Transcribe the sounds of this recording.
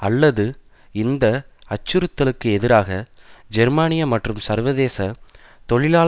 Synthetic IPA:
ɐlːɐðɯ | ɪnd̪ɐɐt͡ʃːɯɾɯt̪ːɐlɯkːɯɛðɪɾaːɣɐd͡ʒɛɾmaːnɪjɐmɐʈrɯmsɐɾʋɐðeːsɐ | t̪ɔɭɪlaː

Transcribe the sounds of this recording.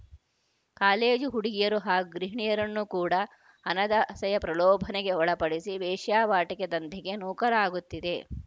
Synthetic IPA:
kaːleːd͡ʒuɦuɽiɡijɐɾuɦaːɡuɡɾiɦɳijɐɾɐnːukuːɽɐ | ɐnɐd̪ɐʔɐsɐjɐpɾɐlɔːbʱɐneɡe̞ɔɭɐpɐɽisiʋɛːʂjaːʋaːʈiked̪ɐnd̪ʱiɡe̞nuːkɐɾaːɡut̪ːid̪e̞

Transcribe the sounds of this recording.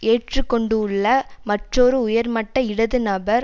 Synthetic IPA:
eːʈrɯkːɔɳɖɯʊɭːɐmɐʈrɔɾɯʊjɐɾmɐʈːɐɪɽɐðɯnɐbɐɾ

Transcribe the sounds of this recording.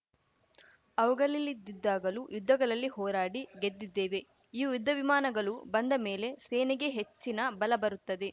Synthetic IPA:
ɐʋɐɡɐlilːid̪ːid̪ːaːɡɐlujud̪ʱːɐɡɐɭɐlːiɦɔːɾaːɽiɡed̪ːid̪ːeːʋe̞ | iːjud̪ʱːɐʋimaːnɐɡɐɭubɐnd̪ɐme̞ːle̞seːniɡe̞ɦet͡ʃːinɐbɐlɐbɐɾut̪ːɐd̪e̞

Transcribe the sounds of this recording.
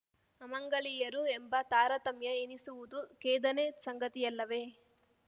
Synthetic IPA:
ɐmɐŋɡɐɭijɐɾuembɐt̪aːɾɐt̪ɐmjɐenisuʋud̪ukeːd̪ɐnesɐŋɡɐt̪ijɐlːɐʋe̞ː

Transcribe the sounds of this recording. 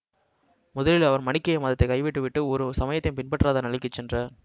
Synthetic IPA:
mʊðɐlɪlɐʋɐɾmɐɳɪkːɐjɐmɐːðɐt̪ːɐɪkɐɪʋɪʈːɯʋɪʈːɯɔɾɯsɐmɐjɐt̪ːɪnpɪnpɐʈːraːðɐnɐɭɪkːɯt͡ʃːɛndrɐ

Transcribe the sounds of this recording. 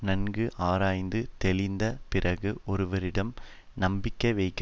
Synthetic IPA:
nɐnɡɯʔaːɾaːjnd̪ɯt̪ɛlɪnd̪ɐpɪrɐɣɯʔɔɾɯʋɐɾɪɽɐm | nɐmbɪkːɐʋɛɪkː

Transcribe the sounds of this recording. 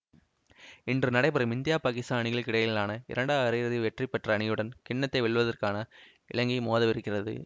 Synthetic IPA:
ɪndrɯnɐɽɐɪpːɐɾɐmɪnd̪ɪjaːpaːkɪst̪aːnɪɣɐɭkɪɽɐjɪɪlaːnɐɪ̰ɾɐɳɖaːɪɾɪjɾɐðɯʋɛʈripːɛʈrɐːɳɪjɯɽɐnkɪɳːɐt̪ːɐɪʋɛɭʋɐðɐrkaːnɐ | ɪ̰ɭɐŋɡimoːðɐʋɪɾɯkːɪrɐðɯ̰

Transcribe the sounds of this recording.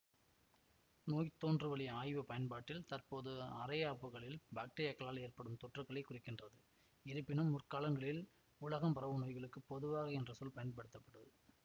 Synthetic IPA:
noːjt̪ːoːndrɯʋɐɭɪjaːjʋɐpɐjɐnpaːʈːɪlt̪ɐrpoːðɯɐ̰ɾɐjaːpːɯɣɐɭɪlbaːk̚ʈeːɾijɐkɐlaːleːrpɐɽɯmt̪ɔʈrɐkɐɭɐɪkːʊrɪkːɪndrɐðɯ | ɪɾɯpːɪnɯmʊrkaːlɐŋɡɐɭɪl | ʊlɐɣɐmpɐɾɐʋɯnoːɪjɣɐɭɯkːɯpɔðɯʋaːɣɐɛndrɐsɔlpɐjɐnpɐɽɯt̪ːɐpːɐʈːɐðɯ

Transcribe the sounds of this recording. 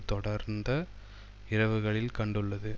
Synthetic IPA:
t̪ɔɽɐɾnd̪ɐ | ɪɾɐʋɯɣɐɭɪlkɐɳɖɯɭːɐðɯ

